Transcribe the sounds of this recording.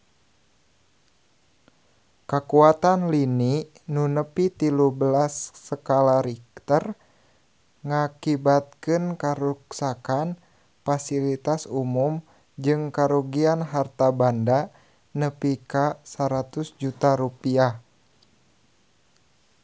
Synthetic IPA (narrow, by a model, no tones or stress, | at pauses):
kakuat̪anlini | nunəpit̪iluhbəlasːəkalaɾik̚t̪ər | ŋakibat̪̚kɨnkaɾuksakan | fasilit̪asumum | d͡ʒɨŋkaɾuɡianɦart̪abanda | nəpikasaɾat̪usd͡ʒut̪aɾupiah